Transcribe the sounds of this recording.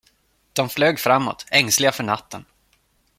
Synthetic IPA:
d̪̥ɔmfløːɡfɾamːɔ̰t̪ɛŋslɪɡafœɳat̪ʰːən

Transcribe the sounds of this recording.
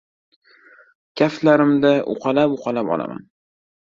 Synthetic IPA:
kʲʰaflaɾɪmd̪aʔʊ̰qʰɑlapʊqʰɑlapɒ̰lˠa̰ma̰n

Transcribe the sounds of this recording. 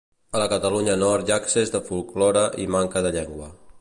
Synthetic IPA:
ələkət̪əluɲənɔɾt̪jaksezðəfulˠklɔɾəʔimaŋkəðəʎɛŋɡwə

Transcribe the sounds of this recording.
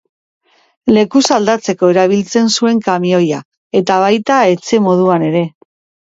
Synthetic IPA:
le̞kusald̪at͡se̞ko̞e̞ɾaβ̞ilt͡se̞nsue̞ŋkamio̞ja | e̞t̪aβ̞ajt̪ae̞t͡se̞mo̞ð̞uane̞ɾe̞

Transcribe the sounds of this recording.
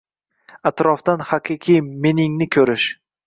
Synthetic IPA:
at̪ɾɒfd̪anhaqʰɨqʰijme̞nɪŋnɪkʲʰɵɾɪʃ

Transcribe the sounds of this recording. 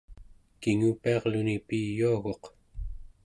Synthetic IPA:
kiŋupiɑʁlunipijːuaɣo̞q

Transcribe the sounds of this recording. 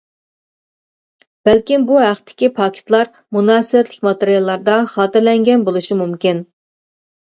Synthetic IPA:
b̥ælkʲimbuɦæqt̪ʰːɪ̥kʲipʰɑːkʲʰɪ̥t̪lˠɑɾ | munɑːsɨwɛt̪lɪkʲmɑt̪eɾijɑlˠːɑɾd̪ɑχɑːt̪ɪɾlɛŋɡʲɛnbolˠuʃimumkʲɪn

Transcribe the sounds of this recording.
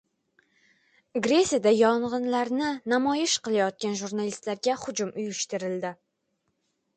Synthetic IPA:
ɡɾe̞sʲijad̪ajɒɴʁɨnlaɾnɪnamɒjɪʃqɨlˠajɒt̪̚kʲanʒuɾnalist̪laɾɡʲahʊd͡ʒʊmʔʊjʊʃt̪ɪɾɪld̪ɪ

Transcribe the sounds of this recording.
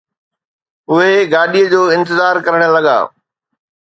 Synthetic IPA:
ʊɦeɡaːɗiəd͡ʑoːɪ̃nt̪̬ɪzaːɾkɐɾəɽ̃əlɐɠa̰ː

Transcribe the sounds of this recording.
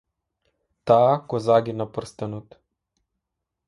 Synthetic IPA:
t̪aːkɔzaɡinapə̆rst̪anɔt̪

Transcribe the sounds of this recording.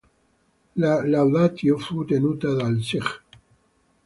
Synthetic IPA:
lalawðat̪jofut̪enut̪aðalsiχ

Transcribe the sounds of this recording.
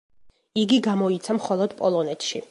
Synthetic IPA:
iɡiɡamɔit̪sʰamχɔlˠɔd̪̥pʼɔlˠɔnɛt̪ʰʃḭ

